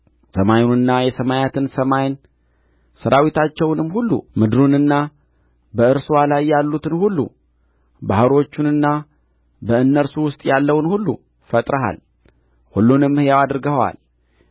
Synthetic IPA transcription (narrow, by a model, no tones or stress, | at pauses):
səmajnɨnːajɛsəmajat̪ʰɨnsəmajn | səɾawit̪ʰat͡ʃːɛwnɨmhulːṵmɨd̪ɾunɨnːa | bəɨɾswalajːalːut̪ʰɨnhulːṵ | bahɾo̞t͡ʃːunɨnːa | bəɨnːəɾsuwʊst̪ʼjalːəwnhulːṵ | fət̪ʼɾəɦa̰l | hulːunɨmːhɨjawad̪ɾɡəwa̰l